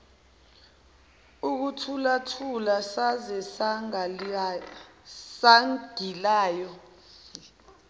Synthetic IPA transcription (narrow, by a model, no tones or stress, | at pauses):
uk̬utʰulatʰulasazɛsaŋ | saŋɡ̥ʱilaːjɔ